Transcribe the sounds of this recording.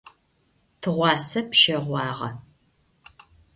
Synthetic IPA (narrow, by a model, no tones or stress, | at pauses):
tʰɨʁʷɑːsɐpʃɐʁʷɑːʁɐ̰